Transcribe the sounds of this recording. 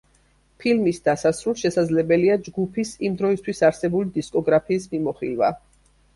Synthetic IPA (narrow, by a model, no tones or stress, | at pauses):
pʰilmisd̪asasɾulˠʃɛsad̪zlɛbɛliad͡ʒɡupʰisimd̪ɾɔist̪ʰwisaɾsɛbulid̪iskʼɔɡɾapʰiːsmimɔχḭlva̰